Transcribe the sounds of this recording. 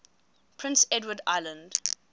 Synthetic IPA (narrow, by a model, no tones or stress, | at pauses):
pʰɹ̥ɪ̃nsɛdwəda̰ɪlə̃nd̥